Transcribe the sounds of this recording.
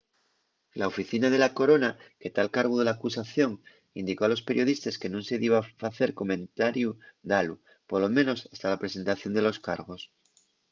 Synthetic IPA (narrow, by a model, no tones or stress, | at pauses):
laofiθinað̞e̞lako̞ɾo̞nake̞t̪alkaɾɣ̞uðelaːkusaθjo̞ŋ | ind̪iko̞alo̞spe̞ɾjo̞ðist̪eske̞nũŋseðiβafaθe̞ɾko̞mẽ̞nt̪aɾjud̪alu | polomẽ̞no̞sast̪alapɾe̞se̞nt̪aθjo̞nd̪e̞lo̞skaɾɣo̞s